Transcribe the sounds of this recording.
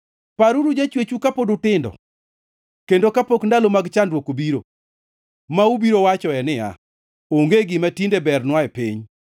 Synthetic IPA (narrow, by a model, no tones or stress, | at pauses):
paɾuɾud͡ʒat͡ʃwet͡ʃukapodʊtɪndɔ̰ | kendokapokndalomaɡt͡ʃandwokobiɾo | maubiɾowat͡ʃɔɛnɪja̰ | oŋɡeɡɪmatindebɛrnwaɛpiɲ